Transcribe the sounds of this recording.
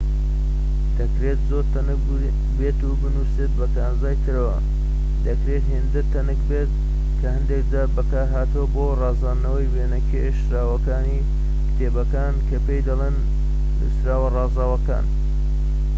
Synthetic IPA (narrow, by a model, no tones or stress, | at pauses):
d̪̥ɐkɾet̪zoɾt̪ɐnɨk | beːt̪ubɨnuset̪̚bɐkaːnzaːjt̪ʰɨɾɐwɐ̰ | d̪ɐkɾeːt̪ɦend̪ɨt̪ʰːɐnɨkbet̪̚ | kʰɐhɨnd̪ek̚d̪aːbɐkaːɦaːt̪uwɐboːrɑːzaːnːɐwɐjweːnɐkʰeʃɾaːwɐkaːni | kt̪ʰeːbɐkaːnkʰɐpejd̪ɐlˠeːn̰ | sɾaːwɐrɑːzaːwɐka̰ːn